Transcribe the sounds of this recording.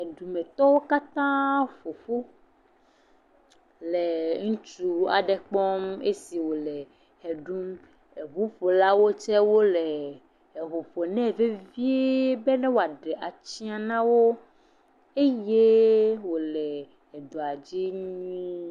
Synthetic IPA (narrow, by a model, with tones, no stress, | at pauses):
e˨ɖu˨mẽ˨t̪ɔ˦wo˦ka˦t̪ã˦ɸo˨ɸo˦ | le˨ŋũ˦t͡ʃu˨a̰˨ɖɛ˨k͡pɔ˦me˦si˨wo˨lɛ˨ | he˨ɖu˦m | e˨βu˦ɸo˨la˦wo˦t͡ʃɛ˦wo˦le˨ | e˨βo˨ɸo˨nɛ̃˦˨ve˦vi˦e˦be˦nɛ̃˦wo˨a˨ɖe˨ʔa˨t͡ɕi˦a˨nã˦wo˦ | e˦je˦wo˨lɛ˨ | e˨ɖo˨a˨d͡ʑi˦ɲĩ˦